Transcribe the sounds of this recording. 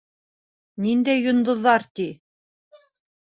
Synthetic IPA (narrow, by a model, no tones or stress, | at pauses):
nind̪æjːŏnd̪ŏðːɑɾt̪i